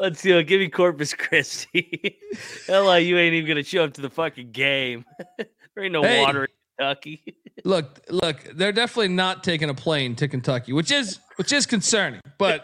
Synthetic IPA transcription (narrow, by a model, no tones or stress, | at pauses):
lətsjɨɡɪvmikʰɔɹpɨskʰɹ̥ɪstʰi | alaɪjɨẽɪ̃niṽnɡʌ̃nɨʃʰoʊʌp̚tʰɨðəfʌkɨ̃ŋɡẽɪ̃m | noʊɔɾə˞ɪ̃nkntʰʌkilʊk̚lʊkðə˞dɛfənətˡlinətʰeɪk̬ɨ̃ŋɨpʰl̥ẽɪ̃ntʰɨkɨ̃n̩tʰʌkiwɨt͡ʃɪzwɨt͡ʃɪz̥kɨ̃nsɜ̃˞nɪ̰̃ŋb̥ʌt̚